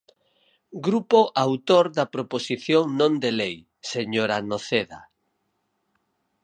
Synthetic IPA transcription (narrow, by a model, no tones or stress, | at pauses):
ɡɾupoʔawt̪oɾðapɾoposiθjoŋnõnd̪elej | seɲoɾanoθeða̰